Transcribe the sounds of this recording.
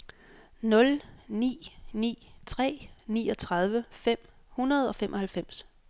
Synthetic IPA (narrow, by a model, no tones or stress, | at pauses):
nɔ̽lnḭːnḭːt͡sʰʁɛ̰ːniːɒ̽t͡sʰʁɑ̈ð̞ˠʋəfem̰ | hunɐð̞ˠɒ̽femʔɒ̽hælfem̰s